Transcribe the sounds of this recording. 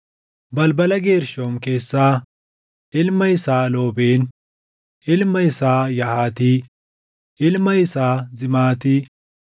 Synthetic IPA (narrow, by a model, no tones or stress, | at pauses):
bɐlbɐlɐɡe̞ːɾʃoːmke̞ːsːaː | ʔɪlmɐjɪsaːloːbeːn | ʔɪlmɐjɪsaːjɐhaːt̪iː | ʔɪlmɐjɪsaːzɪmaːt̪iː